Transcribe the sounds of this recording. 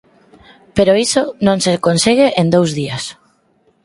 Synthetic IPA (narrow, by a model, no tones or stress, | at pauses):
peɾoisonõŋsekonsiɣeʔend̪owzðias